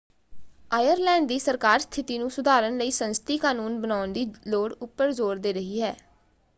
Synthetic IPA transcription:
aːjəɾlɛ̃ːɳɖd̪iːsəɾkaːɾst̪ʰɪt̪iːnũːsʊd̪aːɾənləiːsənst̪iːkaːnuːnbənaːʊnd̪iːloːɽʊpːəɾzoːɾd̪eːɾəɦiːɦɛː

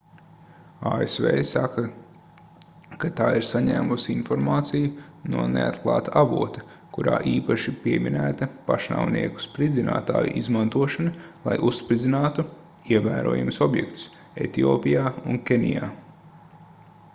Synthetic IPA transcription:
aːesvḛːsakɐ | kat̪aːiɾsaɲæ̰ːmusinfɔɾmaːt̪sijunuɔnḛa̰t̪klˠɑːt̪aʔavuɔt̪ɐ | kuɾa̰ːʔiːpaʃipiɛminæːt̪ɐpaʃna̰wniɛku̥spɾid̪zina̰ːt̪a̰ːjṵʔizmant̪uɔʃɐnɐlˠa̰jʔusːpɾid̪zʲinaːt̪u | iɛvæːɾuɔːjumsɔbjɛ̰kt̪ʊ̥s | ḛt̪iɔːpijaːunkʲenʲḭjaː

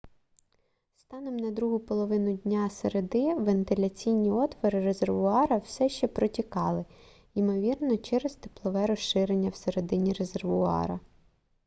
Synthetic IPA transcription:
st̪ɑnɔmnɐd̪ɾuɦʊpɔlˠɔʋɪnʊdʲnʲaseɾed̪ɪʋent̪ɪlʲɐt͡sʲijnʲːiɔt̪ʋɔɾɪɾezerʋʊɑɾɐwsɛʃt͡ʃɛpɾɔtʲikɑlˠɪ | imɔʋʲirnɔt͡ʃɛɾezt̪e̥plˠɔʋɛɾɔʃʃɪɾenʲːɐwseɾed̪ɪnʲiɾe̞zerʋʊɑ̰ɾɐ

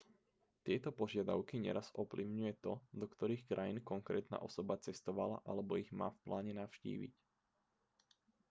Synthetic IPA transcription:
t̪ɪɛt̪ɔpɔʒɪad̪a̰ʊkiɲɛ̰ɾazɔpliʊɲujɛt̪ɔd̪ɔkt̪ɔɾiːxkɾʔajinkɔŋkɾɛ̰ːt̪na̰ːʔɔsɔbat͡sɛst̪ɔʋala̰ʔalɛbɔiɣma̰ːfplaːɲɛnaʊʃcḭːʋḭc

